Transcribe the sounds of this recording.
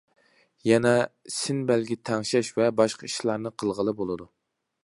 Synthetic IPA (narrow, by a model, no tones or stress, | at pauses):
jɛnɛsɪnbælɡʲit̪ʰɛŋʃɛʃvɛbɑʃqʰɑiʃlˠɑɾnɨqʰəlˠʁəlˠɨbolˠɨd̪u